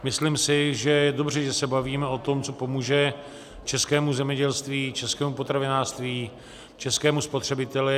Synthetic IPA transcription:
mɪslimsɪʒɛjɛdo̞br̝ɛʒɛsɛbaviːmɛo̞t̪o̞mt͡so̞po̞muːʒɛ | t͡ʃɛskɛːmuzɛmɲɛɟɛlst̪viːt͡ʃɛskɛːmupot̪ɾavɪnaːrʂst̪viː | t͡ʃɛskɛːmuspo̞t̪r̝̥ɛbɪt̪ɛlɪ

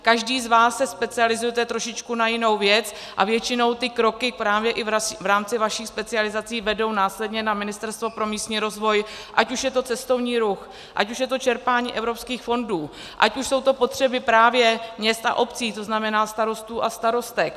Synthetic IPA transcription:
kaʒdiːzvaːsːɛspɛt͡sɪalɪzujɛt̪ɛt̪ɾo̞ʃɪt͡ʃkunajɪno̞wvjɛt͡s | ʔavjɛt͡ʃɪno̞wt̪ɪkɾo̞kɪpɾaːvjɛʔɪvavɾaːmt͡sɪvaʃiːxspɛt͡sɪalɪzat͡siːvɛdo̞wnaːslɛdɲɛnamɪnɪst̪ɛɾst̪vo̞pɾo̞miːst̪ɲiːɾo̞zvo̞j | ʔacuʃjɛt̪o̞t͡sɛst̪o̞vɲiːɾux | ʔa̰cuʃ̬jɛt̪o̞t͡ʃɛɾpaːɲḭːʔɛvɾo̞pskiːxfo̞nduː | ʔa̰cuʃso̞wt̪o̞po̞t̪r̝̥ɛbɪpɾaːvjɛmɲɛst̪a̰ʔo̞pt͡siːt̪o̞znamɛnaːst̪aɾo̞st̪uːʔast̪aɾo̞st̪ɛk

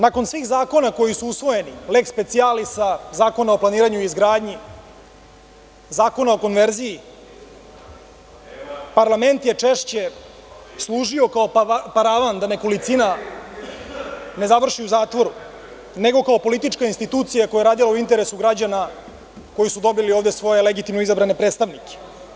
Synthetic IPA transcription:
nako̞nsʋiːxzaːko̞nako̞jisuusʋo̞je̞nilekspe̞t̪sijalisazaːko̞nao̞plˠaniːɾaɲuizɡɾaːd̪ɲi | zaːko̞nao̞ko̞nʋeɾziji | paɾlˠame̞nt̪je̞t͡ʂeʃt͡ɕe̞ | slˠuːʒio̞kaopaɾaʋand̪aneko̞lit̪sina | ne̞zaʋr̩ʃiuzaːt̪ʋo̞ɾu | ne̞ɡo̞kaopo̞lit̪it͡ʃkainst̪it̪uːt̪sijakojeɾaːd̪ilauint̪eɾe̞suɡɾad͡ʑana | ko̞jisud̪o̞bilio̞ːvd̪esʋo̞je̞leɡit̪imnoizabɾane̞pɾeːt̪st̪aʋnike̥

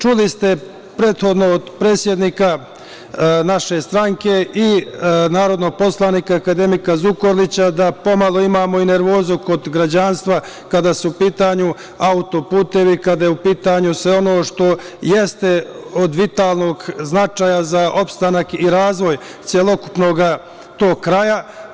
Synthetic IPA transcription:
t͡ʃulist̪e̞ | pɾe̞ːt̪xo̞d̪no̞od̪pɾe̞ːt̪sje̞d̪niːka | naʃe̞st̪ɾaŋke̞inaːɾo̞d̪no̞ɡ̚po̞slˠaniːkaːkad̪e̞mikazuko̞ɾlit͡ɕad̪apo̞malˠo̞imaːmo̞ine̞ɾʋo̞ːzuko̞d̪ɡɾad͡ʑanst̪ʋa | kad̪aːsuupiːt̪aːɲu | aut̪o̞puːt̪e̞ʋikad̪ajeupiːt̪aːɲusʋeo̞no̞ːʃt̪o̞je̞st̪e̞od̪ʋit̪aːlˠno̞ɡznat͡ʃaːjazaʔo̞pst̪anakiɾaːzʋo̞j | t̪sjelˠo̞ku̥pno̞ɡa | t̪o̞ːɡkɾaja

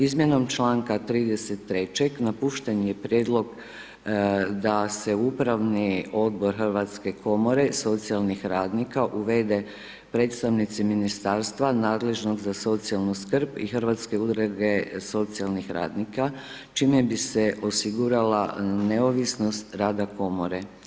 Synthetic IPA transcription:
izmjeno̞mt͡ʃlaːŋkat̪ɾiːd̪e̞se̞t̪ːɾe̞t͡ɕe̞ɡnapuːʃt̪enijepɾjed̪lˠo̞ɡ | d̪ase̞upɾaʋnio̞d̪bo̞ɾxrʋat̪ske̞kʰo̞mo̞ɾe̞so̞t̪sijalˠnixɾaːd̪nikaʔuʋe̞d̪e̞ | pɾe̞ːt̪st̪aʋnit̪siminist̪aːɾst̪ʋanaːd̪le̞ʒno̞ɡzaso̞t̪sialˠnuskrpixɾʋat̪ske̞ud̪ɾeɡeso̞t̪sijalˠnixɾa̰ːd̪nika | t͡ʃiːmebise̞ʔo̞siɡuɾalaneoʋisno̞st̪ɾaːd̪ako̞moɾe

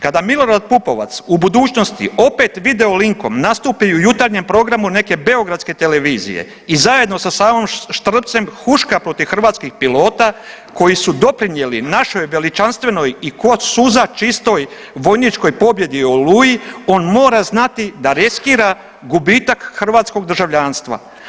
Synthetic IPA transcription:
kad̪amilˠo̞ɾad̪̚pupo̞ʋa̰t̪subud̪uːt͡ʃno̞st̪ḭo̞pe̞t̪ʋid̪e̞oliŋko̞mnast̪uːpiujut̪aɾɲe̞mpɾo̞ɡɾamune̞ke̞be̞o̞ɡɾat̪ske̞t̪e̞le̞ʋiːzḭjḛ | izaje̞d̪no̞sasaːmomʃt̪r̩pt̪se̞mxuʃkapɾo̞t̪iʋxɾr̩ʋaːt̪skixpilo̞ːt̪a | ko̞jisud̪o̞pɾinje̞linaʃo̞jʋe̞lit͡ʃanst̪ʋe̞no̞jikosuzat͡ʃist̪o̞j | ʋo̞jnit͡ʃko̞jpo̞bje̞d̪iolujio̞ːnmo̞ːɾaznat̪id̪aɾeskiːɾa | ɡubiːt̪akxr̩ʋaːt̪sko̞ɡ̚d̪r̩ʒaʋʎaːnst̪ʋa̰

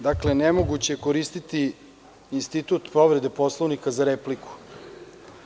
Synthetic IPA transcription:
d̪akle̞nemo̞ɡut͡ɕekoɾist̪it̪i | inst̪it̪ut̪po̞ʋɾe̞d̪e̞po̞slˠoʋnikazaɾepliku̥

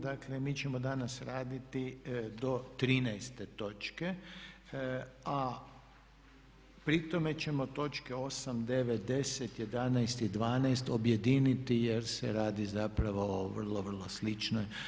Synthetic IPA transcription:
d̪aklemiːt͡ʃemod̪anasɾaːd̪it̪id̪o̞t̪ɾiːnɛjst̪e̞t̪o̞t͡ʃke̞ | a | pɾit̪o̞me̞t͡ʃe̞mo̞t̪o̞t͡ʃkeo̞samd̪eʋet̪̚d̪e̞set̪je̞d̪anɛjst̪id̪ʋaːnajst̪obje̞d̪iːnit̪ijeɾsḛɾaːd̪izapɾaʋooʋər̩lˠoʋr̩lˠoslit͡ʃnoj

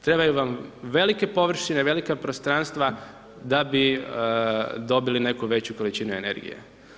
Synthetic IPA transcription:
t̪ɾe̞bajuʋamʋe̞like̞po̞ʋr̩ʃineʋe̞likapɾost̪ɾanst̪ʋa | d̪abi | d̪o̞biline̞kuʋe̞t͡ɕuko̞lit͡ɕinuene̞̰ɾɡḭjḛ

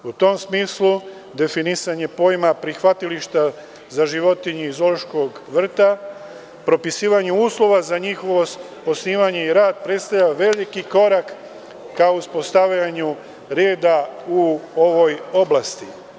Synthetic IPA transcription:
ut̪o̞msmiːslu | d̪e̞finisaɲe̞po̞ːjmapɾixʋat̪iliʃt̪a | zaʒiʋo̞t̪iɲuizo̞loʃko̞ɡʋr̩t̪a | pɾo̞pisiːʋaɲuuːslˠo̞ʋazaɲixoʋo | po̞sniːʋaɲeiɾaːd̪̚pɾe̞t̪st̪avlʎaʋe̞likiko̞ɾakː | aouspo̞st̪aʋʎaɲu | ɾeːd̪auo̞ʋo̞jo̞blast̪i

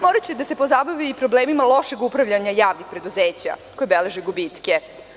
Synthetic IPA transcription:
mo̞ɾat͡ɕed̪ase̞po̞zabaʋiːpɾo̞bleːmimalˠo̞ʃe̞ɡupɾaʋʎaɲajaːʋnixpɾe̞d̪uzeːt͡ɕa̰ko̞jebele̞ʒeɡubiːt̪ke

